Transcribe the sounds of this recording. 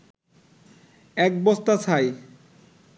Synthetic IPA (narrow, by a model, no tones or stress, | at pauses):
ɛk̚bɔst̪at͡ɕʰaj